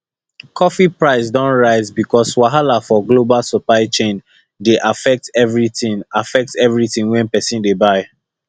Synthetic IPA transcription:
kʰɔfipɹaɪs̬dɔ̃nɹaɪzbikʰɔswaɦalafɔɡlobalsuplaɪt͡ʃẽn | deʔafɛk̚tɛvɹitĩŋafɛk̚tɛvɹitĩŋwɛ̃npɛsĩndebaɪ

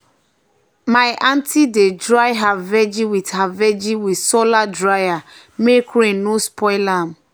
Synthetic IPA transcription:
majʔãntʰidedɹajɦavɛd͡ʒiwithavɛd͡ʒiwitsoladɹaja | mekʰɾẽnospʰɔɪlam̩

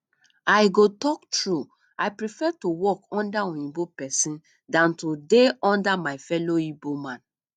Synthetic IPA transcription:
aɪɡotɔktɹu | ajpɾifɛtowɔkɔ̃ndaɔ̃jĩbopɛsĩn | dãntodeɔ̃ndamaɪfɛloibomãn

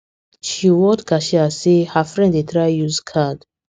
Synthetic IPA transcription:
ʃiwɔtɡaʃiasehafɹɛ̃ndetʰɾajuzkʰad

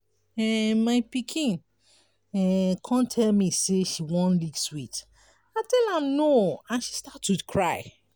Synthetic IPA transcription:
ɛmaɪpikʰĩn | ɛkʰɔ̃ntʰɛlmiseʃiwɔ̃nliɡswit | aɪtɛlãmnoãnʃi̥statʰːudkʰɹaɪ

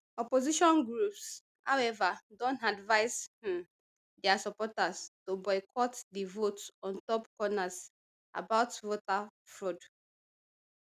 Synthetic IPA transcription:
ɔpoziʃɔ̃nɡɹups | hawɛvadõntadvaɪshɛ̃m | dɛasɔpɔtastobɔɪkʰɔtdivotɔ̃ntɔpkɔnas | ʔa̰baʊtvotafɹod

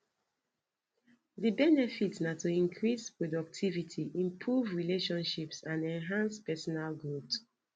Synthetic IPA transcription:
ðibɛnɛfitnatuĩnkʰɹispɹɔdɔk̚tʰivitʰiʔĩmpʰɹuvɹileʃɔ̃nʃipsãnɛ̃nɦãnspɛsɔnalɡɹut

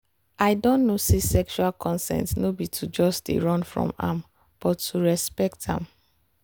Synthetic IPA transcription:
aɪdɔ̃nnosesɛkʃualkʰɔ̃nsɛ̰̃ntnobitʰud͡ʒɔstdḛɹɔ̃nfɹɔ̰̃mã̰m | b̥ɔtːuɹɛspɛk̚tã̰m

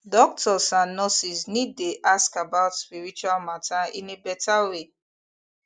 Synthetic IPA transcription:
dɔk̚tʰɔsãnːɔsisnid̚ːeʔaskabaʊtspiɹit͡ʃualmatʰaḭ̃nebɛtʰawe

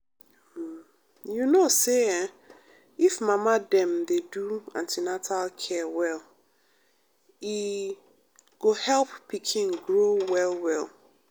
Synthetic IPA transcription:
junoseɛ̃ | ifmãmãdɛ̃mdeduã̰ntʰinatʰalkʰɛwɛl | i | ɡ̥ohɛlppʰikʰĩŋɡɹowɛlwɛl

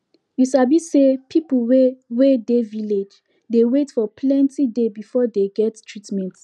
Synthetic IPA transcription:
juʃabisepʰiplwewedeviled͡ʒ | dewetfɔpʰlɛ̃ntʰidebifɔdeɡɛttʰɹitmɛ̃nt

